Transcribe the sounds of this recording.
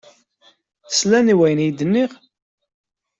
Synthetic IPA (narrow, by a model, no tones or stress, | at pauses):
θə̥slæniwæjnjd̪ənːiʁ